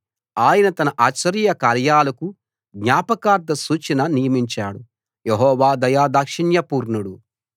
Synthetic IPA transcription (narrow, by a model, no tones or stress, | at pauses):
aːjɐnɐt̪ɐnɐʔaːt͡ʃːɐɾijɐkaːɾjaːlɐku | ɡɲaːpɐkaːɾd̪ɐsuːt͡ʃɐnɐnijɐmiɲt͡ʃaːɽu | jeɦɔːʋaːd̪ɐjaːd̪akʂiɳjɐpuːɾɳuɽu